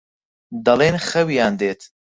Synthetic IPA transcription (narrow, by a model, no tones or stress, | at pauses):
d̪ɐleːnxɐwijaːnd̪eːt̪